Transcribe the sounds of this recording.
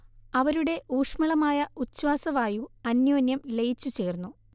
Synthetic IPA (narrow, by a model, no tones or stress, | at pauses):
ɐʋɐɾuɽe̞ʔuːʂmɐɭɐmaːjɐut͡ɕːwaːsɐʋaːjuɐnjoːnjɐmle̞jit͡ɕːut͡ɕeːrnːu